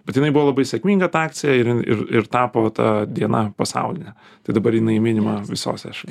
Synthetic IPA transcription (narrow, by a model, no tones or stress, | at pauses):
bbʲɛt̪jɪnɐɪbʊʋoːlˠɐbɐɪsʲɛkmʲiːŋɡɐt̪ɑːk̪̚sʲɪjɛɪɾɪɪ̰ɾɪ̰ɾt̪ɑːpoːt̪ɐ̰d̪ʲiɛnɐpɐsɑ̰ʊlʲɪnʲɛ | t̪ɐɪd̪ɐbɐɾjɪnɐɪmʲɪnʲɪmɐʋʲɪso̰ːsʲɛ̰ʃɐlʲ